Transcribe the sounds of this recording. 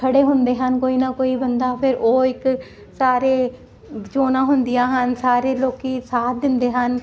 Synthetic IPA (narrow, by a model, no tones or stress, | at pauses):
kʰəɽeːɦʊnd̪eːɦənkoːiːnaːkoːiːbənd̪aːpʰɪɾoːɪk | saːɾeː | d͡ʒoːnãːɦʊnd̪ɪjãːɦənsaːɾeːloːkiːsaːd̪ɪnd̪eːɦən